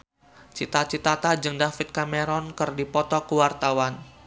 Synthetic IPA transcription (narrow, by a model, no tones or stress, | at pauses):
t͡ʃit̪at͡ʃit̪at̪ad͡ʒɨŋdafɪt̪̚kamɛɾɔnkərdipɔt̪ɔkəwart̪awan